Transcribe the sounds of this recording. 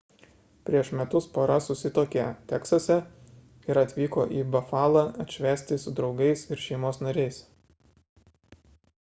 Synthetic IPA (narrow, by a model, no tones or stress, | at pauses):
pʲɾʲiɛʃmʲɛt̪ʊspɐɾɐsʊsʲɪt̪oːkʲet̪ʲɛksɐsʲɛ | ɪɾɐt̪ʲʋʲiːko̰ːʔiːbɐfɑːlˠɑɐt̪ʲʃʲʋʲæːsʲt̪ʲɪsʊd̪ɾɒʊɡɐɪsɪɾʃʲɛɪmoːsnɐɾʲɛɪs